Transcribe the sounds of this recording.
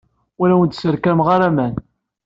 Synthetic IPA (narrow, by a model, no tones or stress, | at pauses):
ʊɾæwənt̪səɾkæmʁaɾamæn